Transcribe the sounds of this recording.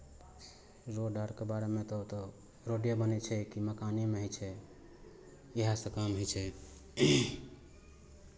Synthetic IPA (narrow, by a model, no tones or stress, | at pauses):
ɾoɖaɾkebaɾemẽt̪ɔut̪ɔ | ɾoɖjabənɛt͡ʃʰɛkiməkanimeɦojt͡ʃʰɛ | eɦasə̃kamɦɔt͡ʃʰɛ